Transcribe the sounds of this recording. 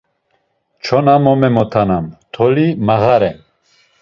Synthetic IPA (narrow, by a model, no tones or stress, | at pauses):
t͡ʃʰɔnamɔmɛmɔt̪ʰanamt̪ʰɔlimaɣaɾɛn